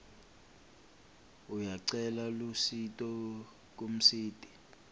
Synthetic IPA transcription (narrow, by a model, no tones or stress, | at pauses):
ujaǀɛlalusitʼɔ | k̬ʼum̩siːtʼi̥